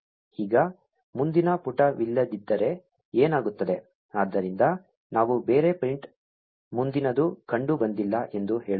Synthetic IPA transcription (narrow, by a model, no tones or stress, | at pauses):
iːɡɐ | mund̪inɐpuʈɐʋilːɐd̪id̪ːɐɾe̞ | eːnaːɡut̪ːɐd̪e̞ | aːd̪ːɐɾind̪ɐ | naːʋube̞ːɾe̞pɐjɳʈ | mund̪inɐd̪ukɐɳɖubɐnd̪ilːɐʔe̞nd̪uɦe̞ːɭ